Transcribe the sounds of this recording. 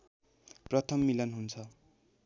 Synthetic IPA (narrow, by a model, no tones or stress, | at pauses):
prʌt̪ʰʌmːilʌnɦunt͡sʰʌ